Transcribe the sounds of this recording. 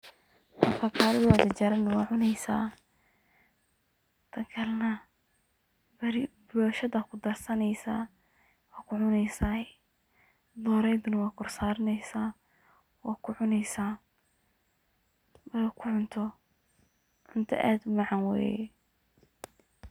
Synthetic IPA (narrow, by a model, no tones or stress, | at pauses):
wɐfʰɐkʰaːlɪðwɔd̪ɐt͡ʃɐɾɐnɐwɑːʕʊnɛjsa̰ː | t̪ʰɐkʰɐlnɐ | bɾbɔːʃɐðɐkʰʊd̪ɐrsɐnɛjsaː | wɑːkʰʊʕʊnɛjsaː | d̪ɔːɾɛjd̪ʊnɐwɑːkʰʊrsaːɾɪnɛjsaː | wɑːkʰʊʕʊnɛjsaː | wɛkʰʊʕʊnt̪ʰɔ | ʕʊnt̪ʰɔ̰ʔa̰ːd̪ʊmɑʕɑnwɛ̰ːjɛ̰